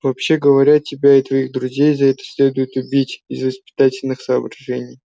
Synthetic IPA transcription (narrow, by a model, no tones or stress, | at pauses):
vɐpɕːe̞ɡəvɐɾʲatʲɪbʲaɪt̪vɐixd̪ɾʊzʲejzɐɛt̪ə̥sʲlʲe̞d̪ʊjɪt̪ʊbʲitʲɪzvəspʲɪ̥t̪atʲɪlʲnɨxsɐːbɾɐʐɛnʲɪj